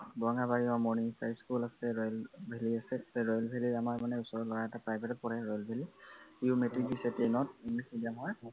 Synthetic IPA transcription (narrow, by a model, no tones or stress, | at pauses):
bɔŋɡabaɹiɔmɔnisajskulasɛɹɔjlbʱeliasɛsɛɹɔjlbʱeliamaɹmanɛʊsɔɹɔlɔɹaɛtapɹajbʱetɔpɔɹɛɹɔjlbʱeliiumetɹik̚disɛtejnɔt̚iŋlisidiamɔɹ